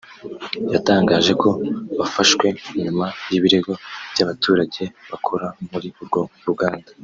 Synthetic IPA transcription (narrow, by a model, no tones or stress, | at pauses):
jataːŋɡaːʒe̞ko̞βafaʃwe̞muɲumajiβiɾe̞ɡo̞b̥jaβatʰuːɾaɟe̞βakʰoɾamuɾiuɾɡo̞ɾuɡaːndḁ